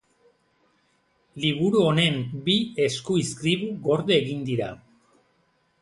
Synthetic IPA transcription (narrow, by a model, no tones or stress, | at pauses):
liβuɾuo̞ne̞mbie̞skuiskɾiβuɣo̞ɾðeeɣind̪iɾa̰